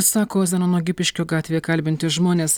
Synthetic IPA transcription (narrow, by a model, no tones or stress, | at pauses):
sɑːkoːzʲɛnɐnoɔɡʲɪpʲɪʃʲkʲoːɡɑːt̪ʲʋʲeːkɐlʲbʲɪnʲt̪ʲɪʒmoːnʲeːs